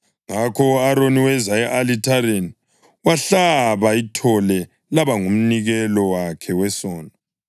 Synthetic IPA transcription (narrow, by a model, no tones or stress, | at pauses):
ŋakʰɔaɾoniwɛzaɛʔalitʰaɾen | waɬaβaitʰɔlɛ | laβaŋum̩niɣɛlɔwakʰɛwɛsɔːndɔ